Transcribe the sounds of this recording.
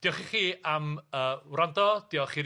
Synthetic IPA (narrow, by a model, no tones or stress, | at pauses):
d̥ijɔχiχiːaməːwrandɔd̥iɔχiːɾ